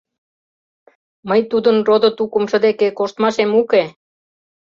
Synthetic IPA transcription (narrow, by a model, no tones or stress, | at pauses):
məjt̪ud̪ə̆nrod̪ŏt̪ukumʃə̆d̪ekekoʃt̪mɑʃemuke